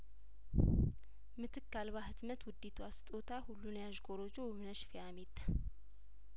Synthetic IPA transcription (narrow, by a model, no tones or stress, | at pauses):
mɨt̪ʰɨkːalβahɨt̪mət̪wʊd̪ːet̪ʰuast̪ʼot̪ʰahulːunjaʒɡoɾod͡ʒowmɨnəʃfiamet̪ʼːḁ